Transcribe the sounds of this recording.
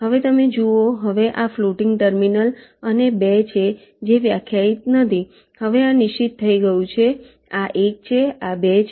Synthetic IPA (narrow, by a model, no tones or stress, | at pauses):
ɦəʋet̪əmed͡ʒuoɦəʋeʔafluʈɪŋɡ̚ʈəɾminələnebet͡ʃʰe | d͡ʒeʋjakʰjait̪̚nət̪ʰi | həʋeanɪʃit̪t̪ʰːəiɡəjũt͡ʃʰe | aʔek̚t͡ʃʰeabet͡ʃʰ